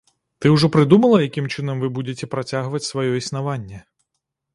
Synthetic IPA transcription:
t̪ɨwʐɔpɾɨd̪umɐlˠɐjakʲimt͡ʂɨnɐmvɨbud͡zʲet͡sʲɛpɾat͡sʲaɣvɐt͡sʲsvajɔisnavanʲːɛ

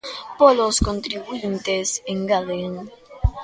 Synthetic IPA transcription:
poloskont̪ɾiβuint̪eseŋɡaleŋ

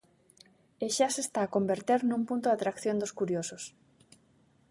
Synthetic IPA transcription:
eʃasest̪aːkombeɾt̪eɾnũmpunt̪oðat̪ɾakθjond̪oskuɾjosos

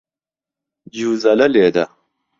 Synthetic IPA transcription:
d͡ʑuːzɐlɐleːd̪ɐ

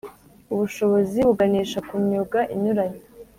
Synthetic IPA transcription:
uβuʃo̞βo̞ziβuɡaniːʃakuɲɲuɡaʔiɲuɾaɲi

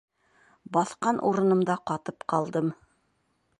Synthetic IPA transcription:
bɑθqɑnʔṵɾɤ̆nɤ̆md̪ɑqɑt̪ɤpqɑlˠd̪ɤm

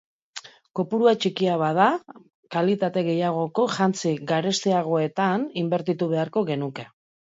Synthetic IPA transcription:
ko̞puɾuat͡ʃikiaβaða | kalit̪at̪e̞ɣe̞jaɣ̞o̞ko̞ʝant͡siɡaɾe̞st̪eaɣ̞o̞e̞t̪animbe̞ɾt̪it̪uβ̞e̞aɾko̞ɣe̞nuke̞

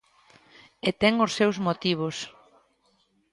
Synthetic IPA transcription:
et̪ɛŋʊsːewzmot̪iβ̞os

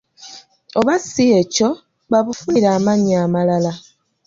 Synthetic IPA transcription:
oβasieco̞ | βaβufuniɾaːmaɲamalala

